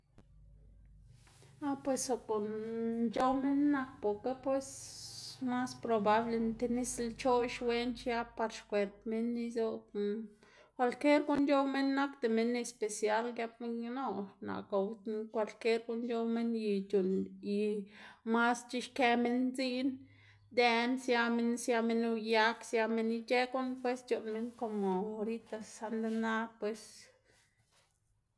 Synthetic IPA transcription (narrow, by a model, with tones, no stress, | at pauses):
a˦pwe˨so˧ko˨nnt͡ʃo˦me˦nːa˧k̚po˨ka˦pwe˧s | ma˦spɾo˧ba˦ble˧nt̪e˧ni˦slt͡ʃo˦ʃwe˦nt͡ʃja˦pa˧ɾʃkʷe˨ɾt̪me˦nːi˧zo˦ | kʷa˧lkje˦ɾɡu˦nd͡ʒo˦wme˦nːa˦kt̪e˨me˦nːe˧spe˨sja˦lɡja˧b̚me˦njno˦˧na̰˨ka˨wkʷa˧lke˦ɾɡu˦njo˦wme˦nji˧t͡ʃu˨ni˨ma˦st͡ʃi˧˦ʃke˦me˦nzi˦n | d̪e˧nsja˦me˦nsja˧me˦nu˧ja˦ksja˧me˦ni˧t͡ʃe˦ku˦npwe˦st͡ʃu˨nme˦nko˨mo˨o˧ɾi˦t̪a˧sːa˧nd̪e˧na˦pwe˧s